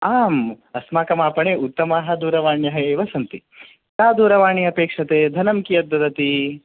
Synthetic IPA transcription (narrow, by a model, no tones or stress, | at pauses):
aːm | ɐsmaːkɐmaːpɐɳeːʔut̪ːɐmaːɦɐd̪uːɾɐʋaːɳjɐɦɐeːʋɐsɐnt̪i | t̪aːd̪uːɾɐʋaːɳiɐpeːkʂɐt̪eːd̪ʱɐnɐmkijɐd̪ːɐd̪ɐt̪i